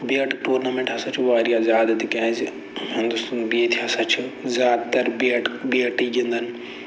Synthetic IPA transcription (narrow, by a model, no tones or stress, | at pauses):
biɐʈʈuːɾnamẽɳʈɦɐsɐt͡ʃʰuʋaːɾijazʲaːd̪ɐt̪ikɛ̃ːzi | ɦɪ̃nd̪ust̪unbiet̪ʰiɦɐsɐt͡ʃʰizʲaːd̪t̪ɐɾbiʈbiɐʈiːɡĩnd̪ʱɐn